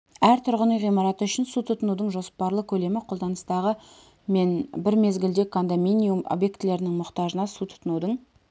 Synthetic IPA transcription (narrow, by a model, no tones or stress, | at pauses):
æɾt̪ʰʊɾʁənəjʁijmɑɾɑt̪əʏʃɪnsut̪ʰʊt̪ənud̪əɴʒo̞spɑɾlˠəkʲʰɵle̞mɪqʰo̞lˠd̪ɑnəst̪ɑʁə | me̞nbɪɾme̞zɡʲɪld̪e̞kʰond̪ominʲijumo̞̰bje̞kt̪ɪle̞ɾɪnɪŋmʊqt̪ɑʒənɑsut̪ʰʊ̥t̪ənud̪əɴ